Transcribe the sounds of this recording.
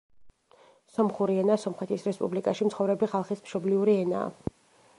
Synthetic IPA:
sɔmχuɾiɛnasɔmχɛt̪ʰisɾɛspʼṵblikʼaʃimt̪sʰχɔvɾɛbiχalˠχismʃɔbliuɾiɛna̰ː

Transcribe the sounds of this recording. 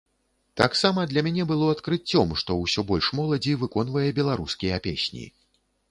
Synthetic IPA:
t̪a̰ksamɐd̪lʲɐmʲanʲɛbɨlˠɔɐt̪kɾɨt͡sʲːɔmʂt̪ɔwsʲɔbɔlʲʂmɔlˠɐd͡zʲivɨkɔn̪vɐjɛbʲɛlˠaɾuskʲijɐpʲḛsʲnʲḭ

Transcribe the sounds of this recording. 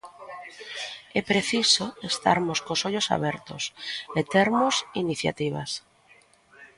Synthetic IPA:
ɛpɾeθisoest̪a̰ɾmoskosoʎosa̰βɛɾt̪o̰set̪eɾmosiniθja̰t̪iβ̞a̰s

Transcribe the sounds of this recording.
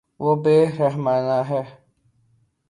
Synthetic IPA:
wobeɾɛɦmaːnaɦɛ

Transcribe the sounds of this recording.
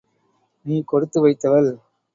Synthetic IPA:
niːkɔɽɯt̪ːɯʋɐɪt̪ːɐʋɐl

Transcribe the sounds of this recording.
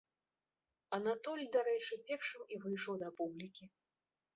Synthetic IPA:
ɐnat̪ɔlʲd̪aɾɛt͡ʂɨpʲɛrʂɨmivɨjʂɔwd̪ɐpublʲikʲi

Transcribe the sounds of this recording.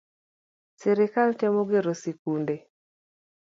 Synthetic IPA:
sɛɾɪkaltɛmoɡeɾosikunde

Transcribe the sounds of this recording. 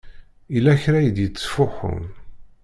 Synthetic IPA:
ilːæçɾæjəd̪jət͡sːfʊxʊ̰n

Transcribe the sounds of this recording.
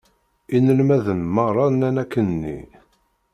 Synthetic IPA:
inəlmæðənməʁrˤːɑnænækːənːḭ

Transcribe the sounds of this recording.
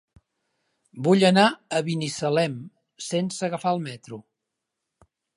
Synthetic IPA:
buʎənaəβinisəlɛm | sensəɣəfaəlˠmɛt̪ɾu

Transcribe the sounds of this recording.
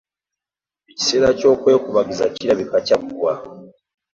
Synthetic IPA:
eci̥seːɾaco̞ːkwe̞ːkuβaɡizaciɾaβikacakuβwa

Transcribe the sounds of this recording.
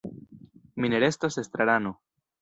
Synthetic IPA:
mine̞ɾe̞stasest̪ɾaɾano

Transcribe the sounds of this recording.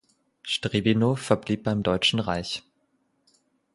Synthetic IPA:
ʃtʁ̥eːbinoːfɛɐbliːp̚b̥aɪmdɔʏt͡ʃn̩ʁaɪç

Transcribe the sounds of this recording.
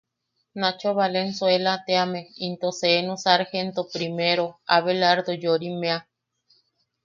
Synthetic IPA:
nat͡ʃoβalensoelat̪eameint̪oseːnosaɾhent̪opɾimeɾoaβelaɾd̪od͡ʒoɾimẽa

